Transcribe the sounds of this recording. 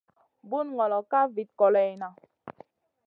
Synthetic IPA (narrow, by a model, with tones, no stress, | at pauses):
bu˦nŋɔ˨lɔ˨ka˦vi˨t̚kɔ˨lɛ˨na˨